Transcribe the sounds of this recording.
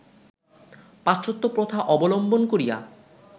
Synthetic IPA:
paʃot̪ːopɾot̪ʰaʔɔbolombonkoɾija̰

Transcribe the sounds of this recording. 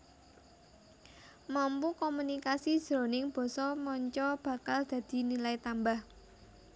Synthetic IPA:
mampukomunikasid̥ʒ̥ɾo̤nɪŋb̥ɔ̤sɔmɔɲt͡ʃɔb̥a̤kald̪̥ä̤d̪̥i̤nilait̪ambah

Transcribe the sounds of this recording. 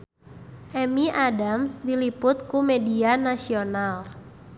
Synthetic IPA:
ʔɛmiʔadamsdilipʊt̪̚kumedianasional

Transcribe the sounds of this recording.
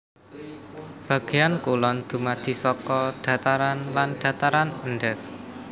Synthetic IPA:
b̥ä̤ɡ̥e̤jankulɔnd̪̥ṳmad̪̥i̤sɔkɔɖ̥a̤t̪aɾanlanɖ̥ä̤t̪aɾanənɖək̚

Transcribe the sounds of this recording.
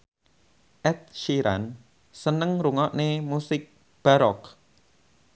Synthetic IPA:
ʔɛt̪̚ʃiɾa̰n | sənəŋɾuŋɔʔnemusɪk̚ | b̥a̤ɾɔk

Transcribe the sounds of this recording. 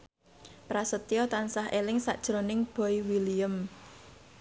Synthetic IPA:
pɾasət̪ijɔt̪ansaɦʔelɪŋsaʔd̥ʒ̥ɾonɪŋb̥ɔ̤iwilijəm

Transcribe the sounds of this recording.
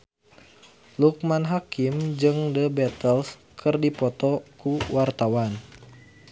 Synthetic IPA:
luk̚manɦakimd͡ʒɨŋdəbɛt̪əls | kʰɨrdipɔt̪ɔkuwart̪awan

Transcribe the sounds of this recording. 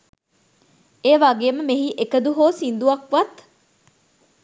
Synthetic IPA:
eːʋaɡeːməmeɦiʔekəd̪uɦoːsind̪uɐkʋɐt̪

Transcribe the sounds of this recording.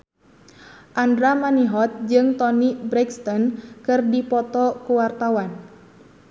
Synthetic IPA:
ʔandɾamaniɦɔt̪̚d͡ʒɨŋt̪ɔnibɾɛkst̪ɔnkɨrdipɔt̪ɔkuwart̪awan

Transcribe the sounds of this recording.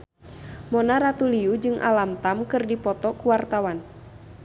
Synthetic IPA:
mɔnaɾat̪uliud͡ʒɨŋʔa̰lamt̪amkɨrdipɔt̪ɔkuwart̪awan

